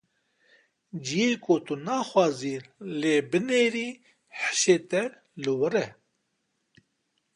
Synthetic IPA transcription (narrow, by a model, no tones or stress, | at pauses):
d͡ʒijeːkot̪unaːxwaːziːleːbɨneːɾiː | ħə̥ʃeːt̪ɛ | lɨwɨɾɛ